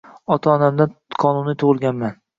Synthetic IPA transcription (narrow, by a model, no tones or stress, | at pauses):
ɒt̪ʰaɒnamd̪anqʰɒnunɪt̪ʰʊʁɨlˠɡʲanman